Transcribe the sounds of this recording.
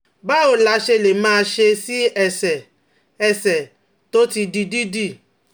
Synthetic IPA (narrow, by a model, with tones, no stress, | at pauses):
ba˦o˨la˨˧˦ʃe˧˨le˨mãː˦˧ʃe˧si˦ɛ˦˨sɛ˨ | ɛ˨sɛ˨ | to˦ti˧di˧di˦di˦˨